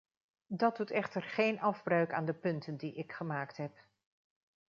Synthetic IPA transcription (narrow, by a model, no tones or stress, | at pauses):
dɑdutɛχtəɹχejnʔɑvbrœɥkaːndəpɵntəndiʔɪkχəmaːktɦɛp